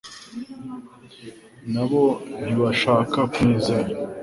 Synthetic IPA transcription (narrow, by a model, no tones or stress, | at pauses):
naβo̞niβaʃaːkakwiːzaa